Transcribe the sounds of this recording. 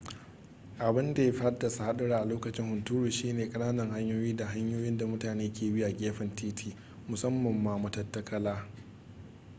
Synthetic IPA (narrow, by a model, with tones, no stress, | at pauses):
ʔa˨bɪ˦nda˨ja˦ɸa˦rda˨sa˦ha˦ɗɐ˦ɽaː˦ʔa˨loː˦kɐ˨t͡ʃɪ˦ŋhʊ˨ntuː˦ɾuː˨ʃiː˦neː˨kʼɐ˦naː˦nɐ˨ŋɦa˦ɲjoː˦jiː˦da˨ɦa˦ɲjoː˦jɪ˦nda˨mʊ˦taː˨neː˦kʲeː˨bi˦ʔa˨ɡʲeː˦ɸɐ˨ntʰiː˦tʰiː˨ | mʊ˨sɐ˦mːɐ˨mːaː˦mʊ˨tɐ˦tːɐ˦kʰɐ˦laː˦